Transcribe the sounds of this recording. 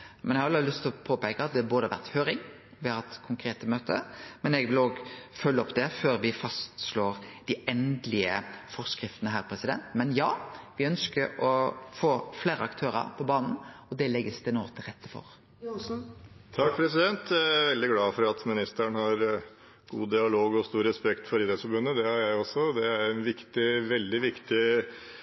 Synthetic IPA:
mɛnjɛhɑlːlʉst̪ʰːɪlɔpʰoːpæɪkəɑt̪̚d̪ɛæboːd̪əʋæ̰ʁt̪høːɾɪŋ | ʋɪhɑhɑt̪kʰʊŋkʰɾeːt̪əmøːt̪ʰə̰mɛnɛɡʋɪloːɡfœlːəɔpd̪ɛføːɾʋɪfɑst̪sloːɾd̪̥ɪɛnd̪lɪəfɔʁskɾɪft̪ənəɦæːɾpʰɾɛsɪd̪ɛ̰nt̪mɛnjɑːʋɪœnskəɾɔfoːfleːɾəɑkt̪ʰøːɾɑ̰ɾpʰɔbɑːnn̩ɔd̪ɛlɛɡəsd̪ɛnoːʁt̪ʰɪlʁɛt̪ːəfɔ̰ɾ | t̪ʰɑkpʰɾɛs̬ɪd̪ɛnt̪jææʋɛld̪ɪɡlɑːfɔɾɑt̪mɪnɪst̪əæɳhɑɾ | ɡ̥ṵːd̪ɪɑloːɡɔst̪uːɾɛspɛkt̪fɔɾiːd̪ɛsfɔɾbʉnːəd̪ɛhɑɾjæɪɔsːɔd̪ɛæɾɛnʋɪkt̪ɪʋɛld̪ɪʋɪkt̪ɪ

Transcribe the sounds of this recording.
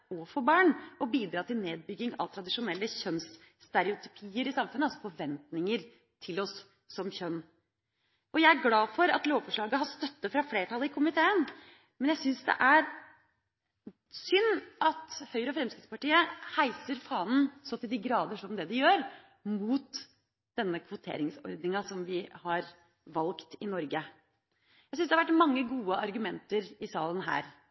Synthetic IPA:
ɔfɔbɑːɳɔbiːd̪ɾɑːt̪ɪlneːd̪̚bʏɡːɪŋɑ̰ʋt̪ʰɾɑd̪ɪʂʊnɛlːəçœnsːt̪ɛɾɪʊt̪ʰʏ̥pʰiːəɾɪsɑmfʉnəɑsɔfɔɾʋɛnt̪nɪŋəɾ | t̪ʰɪlɔsː | ɔmçœnː | ɔjæɪæɾɡlɑːfɔɾɑ̰t̪loːʋfɔʂɭɑːɡəɦɑst̪œt̪ːəfɾɑfleːʈʰɑlːəɪkʰʊmɪt̪ʰeːən | mɛnjæɪsʏnsd̪ɛ̰ʔæɾ | sʏnːʔɑt̪hœʏɾəɔfɾɛmskɾɪt̪spɑʈiːəhæɪsəɾfɑːnn̩sɔt̪ɪld̪iːɡɾɑːd̪əʂɔmd̪ɛd̪ɪjøːɾ | muːt̪ | d̪̥ɛnːəkʰʋʊt̪ʰḛːɾɪŋsɔ̰ɾd̪nɪŋɑsɔmʋɪhɑɾ | ʋɑlkt̪ɪnɔɾɡə | jæɪsʏnsd̪ɛhɑʋæʈmɑŋːəɡuːəʔɑɾɡʉmɛnt̪əɾɪsɑːlənɦæ̰ːɾ

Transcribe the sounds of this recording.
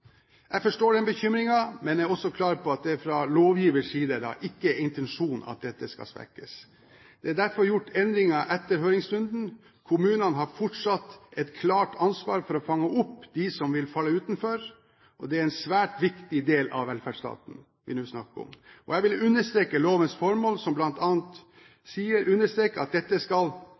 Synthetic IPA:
jʔæɪfɔʂʈoːɖɛnbəçʏmɾɪŋɑmɛnæɔsːɔkʰlɑːɾpʰɔɑt̪̚d̪ɛæɾfɾɑloːʋjiːʋəʂiːd̪əd̪ɑ̰ʔɪkːəɪnt̪ɛnʂuːnɑ̰t̪̚d̪ɛt̪ːəskɑ̰spæ̰kːəs | d̪̥ɛæɖ̪æɾfɔɾjʊʈːɛnd̪ɾɪŋɑʔɛt̪ːəɾɦøːɾɪŋsɾʉnd̪n̩ | kʰʊmʉːnənəɦɑɾfɔʈʂɑt̪ːɛt̪kʰlɑːʈʰɑnsʋɑːɾfɔɾɔfɑŋːəʔʊpːd̪ɪsɔmʋɪlfɑlːəʉːt̪n̩fɔɾ | ʔɔd̪ɛæɾɛnsʋæːʈʋɪkt̪ɪd̪eːlɑ̰ʋʋɛlfæɖʂst̪ɑ̰ːt̪n̩ | ʋɪ̰nʉːsnɑkːɔ̰mʔɔjɛɪʋɪlʉnːəʂt̪ɾeːkəloːʋənsfɔɾmoːlsɔmblɑnt̪ɑːnt̪ | siːəɾʔʉnːəʂt̪ɾeːkəɑt̪̚d̪ɛt̪ːəskɑl

